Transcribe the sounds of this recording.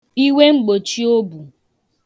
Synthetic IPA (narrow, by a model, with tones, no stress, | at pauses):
i˦we˦ŋ͡m̩˦ɡ͡bo˨t͡ʃi˦o˦bu˨